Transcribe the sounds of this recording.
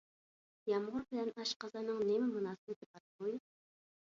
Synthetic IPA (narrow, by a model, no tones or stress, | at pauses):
jɑmʁʊɾbɪlɛnɑʃqɑzɑnɨŋnemɪmunɑːsɨnɨt̪ʰepɑt̪̚moj